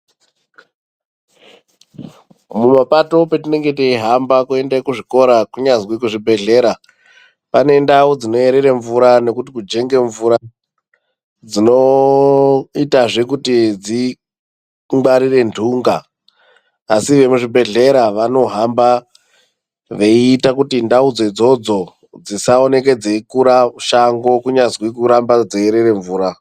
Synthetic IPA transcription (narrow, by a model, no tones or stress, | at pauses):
mumapato̞petine̞ŋɡe̞teiɦambakue̞ndakuʐiko̞ɾakuɲazwikuʐibʱe̞ɮe̞ɾa | pane̞ndaud͡zino̞e̞ɾe̞reɱvuɾane̞kutikud͡ʒe̞ŋɡe̞ɱvuɾa | d͡zino̞ | itaʐe̞kutid͡zi | ŋɡ͡baɾire̞ndʱuŋɡa | siʋe̞muʐibʱe̞ɮe̞ɾaʋano̞ɦamba | ʋeiːtakutindaud͡zod͡zo̞d͡zo̞ | d͡zisaone̞k̬e̞d͡zeikuɾauʃaŋɡo̞kuɲazwikuɾambad͡zeeɾe̞re̞ɱvuːɾa